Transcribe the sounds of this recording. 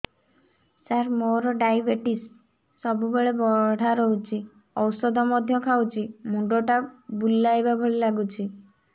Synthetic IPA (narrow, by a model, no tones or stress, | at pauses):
saɾmoɾɔɖajbeʈisː | ɔbubeɭebɔɽ̤aɾɔɦut͡ʃʰi | ɔwsɔd̪ʱɔmɔd̪ʱjɔkʰawt͡ʃʰimuɳɖoʈabulːajbabʱɔɭilaɡut͡ʃʰi